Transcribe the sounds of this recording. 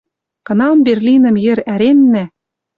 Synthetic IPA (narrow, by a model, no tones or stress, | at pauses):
kɤ̆nɑmberlʲinɤ̆mjɘ̆ɾæɾenːæ